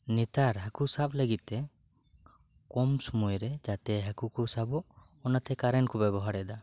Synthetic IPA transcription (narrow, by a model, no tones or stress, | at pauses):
nit̪aɾɦakusapləɡit̪̚ːɛ | kɔmsumujɾɛd͡ʒat̪ɛɦakukusabɔʔ | ɔnat̪ɛkaɾɛnkɔbɛbɔɦaɾɛd̪a